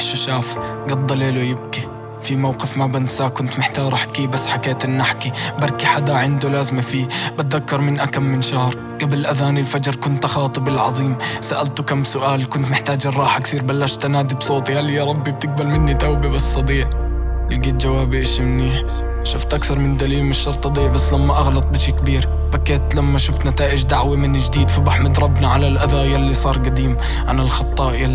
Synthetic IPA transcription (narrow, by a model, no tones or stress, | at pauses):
ʃaʃaːf | ɡɑd̪ˤːɑleːlujɪb̚ki | fimawqɪfmabɪnsaːkʊnt̪mɪħt̪ɑːɾˤɪħkiːbasːħakeːt̪ɪnːaħkibɑɾˤkiħad̪aʕɪnd̪ulaːzmafiːbat̪̚ðakːɑɾˤmɪnʔakamːɪnʃahɾˤ | ɡ̥abɪlʔaðaːnɪlfad͡ʒɾˤkʊnt̪ʔɑxɑːt̪ˤɨbɪlʕɑ̰ðˤiːmsaʔalt̪ʊkamːsʊʔaːlkʊnt̪nɪħt̪aːd͡ʒɪrˤːɑːħakθiːɾbalːaʃt̪anaːd̪ibsˤoːt̪ˤihalːijaɾˤɑbːib̚t̪ɪɡ̚balmɪnːit̪awbibasːɑd̪ˤiːʕ | ɪlɡiːt̪̚d͡ʒawaːbɪʔɪʃimniːħ | ʃʊft̪ʔakθɑɾˤmɪnd̪aliːlmɪʃːɑɾˤt̪ˤʔɑd̪ˤiːʕbasːlamːaʔaɣlɑt̪ˤbɪʃeːkbiːɾ | b̥akːeːt̪lamːaʃʊft̪nat̪aːʔɪd͡ʒd̪aʕwamɪnd͡ʒd̪iːd̪fʊbaħmɪd̪ɾˤɑbnaʕalalʔaðajalːisˤɑːɾˤɡad̪iːm | ʔanalxɑt̪ˤːɑːʔja